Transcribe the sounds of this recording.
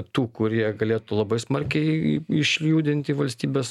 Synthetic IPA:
t̪uːkʊɾʲiɛɡɐlʲeːt̪uːlˠɐbɐɪsmɐɾʲkʲɛɪɪʃʲlʲjuːd̪ʲɪnʲt̪ʲɪʋɐlʲsʲt̪ʲiːbʲeːs

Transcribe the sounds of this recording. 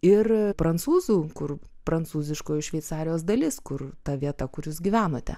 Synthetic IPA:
ɪrpɾɐnt̪suːzuːkʊr | pɾɐnt̪suːzʲɪʃkoːjʊʃʲʋʲɛɪt̪sɑːɾʲɪjoːs̬d̪ɐlʲɪskʊrt̪ɐʋʲiɛt̪ɐkʊɾjuːsɡʲiʋʲæːnoːt̪ʲɛ̰

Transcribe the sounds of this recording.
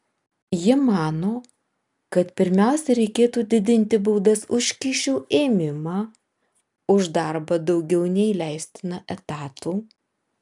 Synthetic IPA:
jɪmɑːnoː | kɐt̪pʲɪɾʲmʲæˑʊsʲɛɾʲɛɪkʲeːt̪uːd̪ʲɪd̪ʲɪnʲt̪ʲɪbuːd̪ɐsʊʃʲkʲiːʃʲuːeːmʲɪmɑː | ʊʒd̪ɑˑɾbɐd̪ɒʊɡʲɛʊnʲɛɪlʲæˑɪsʲt̪ʲɪnɐʔɛt̪ɑːt̪uː

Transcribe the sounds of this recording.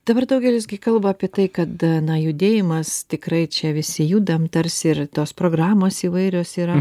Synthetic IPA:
d̥̪ɐbɐrd̪ɐʊɡʲɛlʲɪzʲɡʲɪkɐlˠbɐaːpʲiɛt̪ɐɪkɐt̪nɐjʊd̪ʲeːjɪmɐst̪ʲɪkrɐɪt͡ʃʲɛʋʲɪsʲɪjuːd̪ɐmt̪ɐrʲsʲɪrt̪oːspɾoːɡrɑːmoːsiːʋɐɪɾʲoːsiːɾɐ

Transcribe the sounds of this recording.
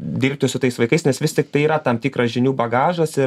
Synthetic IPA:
dʲiːrʲp̚ʲt̪ʲɪsʊt̪ɐɪsʋɐɪkɐɪsnʲɛsʋʲɪst̪ʲɪk̚t̪ɐɪiːɾɐt̪ɐmt̪ʲiːkrɐsʒʲɪnʲuːbɐɡɑːʒɐsɪ

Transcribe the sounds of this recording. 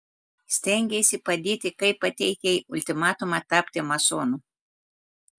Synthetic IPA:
sʲt̪ʲɛŋʲɡʲesʲɪpɐd̪ʲiːt̪ʲɪkɐɪppɐt̪ʲɛɪkʲɛʔʊlʲt̪ʲɪmɑːt̪ʊmɑt̪ɑːpʲt̪ʲɪmɐsoːnuː

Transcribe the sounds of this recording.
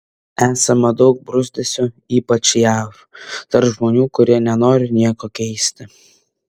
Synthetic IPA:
æːsɐmɐd̪ɒʊk̚bɾʊzʲd̪ʲɛsʲʊ | iːpɐt͡ʃjæːf | t̪ɐɾpʒmoːnʲuːkʊɾʲiɛnʲɛnoːɾʲɪnʲiɛkoːkʲɛɪsʲt̪ʲɪ

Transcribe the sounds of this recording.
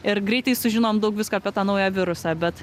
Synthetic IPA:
ɪɾɡɾʲɛɪt̪ɐɪsʊʒʲɪnoːmd̪ɐʊkʋʲɪskoɐpʲiɛt̪ɑːnɐʊjæʋʲɪɾʊsʲɑbʲɛt̪

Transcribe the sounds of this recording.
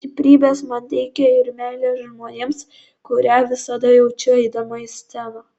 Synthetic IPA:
t̪ʲɪpʲɾʲiːbʲeːsmɐnt̪ʲɛɪkʲɛɪɾmʲæːlʲeːʒmoːnʲeːms | kʊɾʲæːʋʲɪsɐd̪ɐjɛʊt͡ʃʲɛɛɪd̪ɐmoːɪsʲt̪ʲɛnɐ

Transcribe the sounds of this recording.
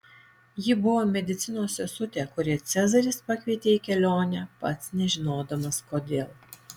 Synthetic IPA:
jɪbʊʋoːmʲɛd̪ʲɪt̪sʲɪnoːsʲɛsʊt̪ʲɛkʊɾʲiɛt̪sʲæzɐɾʲɪspɐkʋʲiɛt̪ʲeːikʲɛlʲoːnʲɛpɐt̪snʲɛʒʲɪnoːd̪ɐmɐskoːd̪ʲeːlˠ

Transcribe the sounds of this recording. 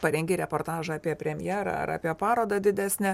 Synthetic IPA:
pɐɾʲɛŋʲɡʲɪɾʲɛpoːɾt̪ɑːʒɐɑːpʲiɛpʲɾʲɛmʲɪjɛːɾɐ̰ɐ̰ɾɑ̰ːpʲiɛpɑːɾoːd̪ɐd̪ʲɪd̪ʲæːsʲnʲɛ

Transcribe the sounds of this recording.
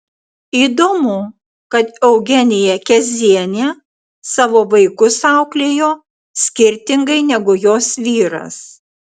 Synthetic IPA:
iːd̪oːmʊ | kɐt̪ɛʊɡʲɛnʲɪjɛkʲɛzʲiɛnʲɛ | sɑːʋoːʋɐɪkʊsɑˑʊklʲeːjoː | sʲkʲɪɾʲt̪ʲɪŋɡɐɪnʲɛɡʊjoːsʋʲiːɾɐ̰s

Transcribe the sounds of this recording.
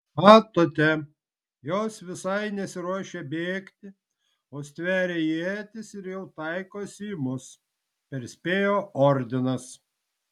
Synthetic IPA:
ɑːt̪oːt̪ʲɛ | joːsʋʲɪsɐɪnʲɛsʲɪɾuɔʃʲebʲeːkt̪ʲɪ | oːsʲt̪ʲʋʲæːɾʲeːjiɛt̪ʲɪsɪɾjɛʊt̪ɐɪkoːsʲiːmʊs | pʲɛɾsʲpʲeːjoːɔɾʲd̪ʲɪnɐs

